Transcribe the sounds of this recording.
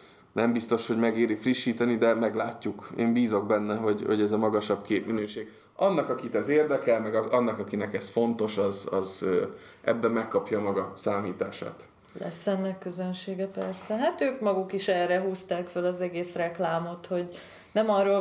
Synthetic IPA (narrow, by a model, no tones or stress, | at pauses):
nɛmbist̪o̞ʃho̞ɟmɛɡeːɾifriʃːiːt̪ɛnid̪ɛmɛɡlaːcːukeːmbiːzo̞ɡ̚bɛnːɛɦoɟho̞ɟɛzɒmɒɡɒʃɒbkeːpminøːʃeːɡ | ɒnːɒkɒkit̪ɛzeːrd̪ɛkɛlmɛɡɒɒnːɒkɒkinɛkɛsfo̞nt̪o̞ʃɒzɒ̰zøːʔɛ̰bːɛmmːɛkːɒpjɒmɒɡɒsaːmiːt̪aːʃa̰ːt̪ | lɛ̰sɛnːɛkːøzønʃeːɡɛpɛrsɛɦat̪øːkmɒɡukiʃɛrːɛɦuːst̪aːkfølɒzɛɡeːsrɛklaːmo̞t̪ho̞ɟ | nɛmɒroː